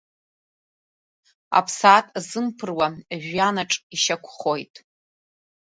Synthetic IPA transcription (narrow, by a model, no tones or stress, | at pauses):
a̰pʰsatʼzɨmpʰɨrwaʒᶣanaʈ͡ʂʼiʃakʷʰχo̞jtʼ